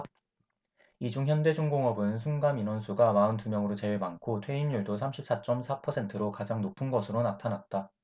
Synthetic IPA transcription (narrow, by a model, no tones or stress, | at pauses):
id͡ʑuŋçjʌnde̞d͡ʑuŋɡoŋʌbɯnsʰunɡaminwʌnsʰuɡamaɯntumjʌŋɯɾot͡ɕe̞ɭmankʰotʰwe̞inːuɭdosʰamɕʰip̚s͈at͡ɕ͈ʌmsʰapʰʌsʰe̞ntʰɯɾokad͡ʑaŋnopʰɯnɡʌsʰɯɾonatʰanat̚t͈a